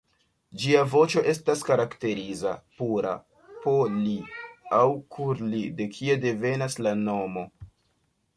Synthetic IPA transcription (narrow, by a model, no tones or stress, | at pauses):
d͡ʒiavo̞t͡ʃo̞ʔe̞staskaɾakte̞ɾiza̰puɾa̰ | po̞liawkʰuɾlide̞kʰie̞de̞ve̞naslano̞mo̞